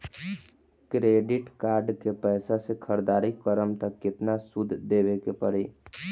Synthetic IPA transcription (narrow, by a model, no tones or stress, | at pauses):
kɾeːɖɪʈkaːɾɖkepɛːsasekʰəɾd̪aːɾikkəɾəmt̪əkːɪt̪nasʊd̪ʱd̪eːʋekepəɽi